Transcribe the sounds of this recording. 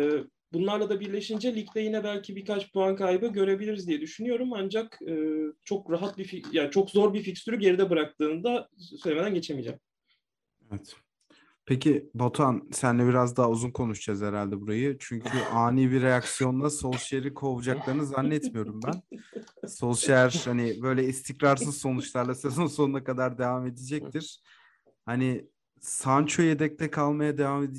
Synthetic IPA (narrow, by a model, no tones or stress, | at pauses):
ɛː | bunlˠaɾlˠad̪abiɾlʲe̞ʃind͡ʒɛlʲict̪ɛjinɛbælʲcʰibiɾkat͡ʃpuankajbɯɟø̞ɾe̞bilʲiɾizd̪ijɛd̪yʃynyjo̞ɾumand͡ʒakɯːt͡ʃʰo̞kɾaɦat̪̚bifijat͡ʃʰo̞kzo̞ɾbificsyɾyɟe̞ɾid̪ɛbɯɾak̚t̪ɯːnd̪asøjʲeme̞d̪ænɟe̞t͡ʃʰe̞mid͡ʒɛ̰m | evɛt̪ | pʰecʰibot̪ʰansænlʲɛbiɾazd̪aɦauzunkʰo̞nuʃt͡ʃazeɾalʲd̪ɛbuɾajɯt͡ʃʰyɲcʰyʔaːniːbiɾejaksijo̞nlˠaso̞lˠʃɾikʰo̞vud͡ʒaklˠaɾɯnɯzanːɛt̪mijo̞ɾumbæn | so̞lˠʃæɾhanɪbø̞jlʲɛist̪ʰicɾaɾs̬ɯzso̞nut͡ʃlˠaɾlˠasezo̞nso̞nunakad̪aɾd̪e̞vaːme̞d̪id͡ʒɛc̚t̪ʰiɾ̥ | hani | sant͡ʃʰojed̪ɛc̚t̪ʰɛkʰalˠmajad̪e̞vaːmed̪i